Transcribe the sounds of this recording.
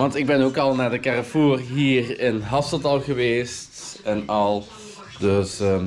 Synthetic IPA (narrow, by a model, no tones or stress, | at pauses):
ʋɑntɪɡ̚bɛnoːkɑlˠnaːɹdəkɛrəfuːrɦiːrɪnɦɑsədɑlˠɣəʋeːstɛnɑlˠ | døs